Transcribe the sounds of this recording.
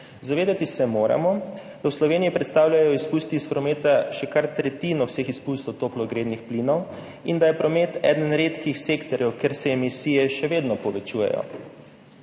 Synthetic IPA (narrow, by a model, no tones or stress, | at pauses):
zaʋeːd̪at̪isɛmoːɾa̰mɔd̪̥awslɔʋeːniipɾɛt̪st̪aːwlʲajɔispust̪iispɾɔmeːt̪aʃɛkaɾt̪ɾɛt̪iːnɔwsexispust̪owt̪oplɔɡɾeːd̪nixpliːnɔw | ind̪ajɛpɾɔmet̪ɛ̰d̪ənɾeːt̪kixseːkt̪ɔɾjɛwkeɾsɛːmisiːjɛʃɛʋeːd̪nɔpɔʋɛt͡ʃuːjɛ̰jɔ̰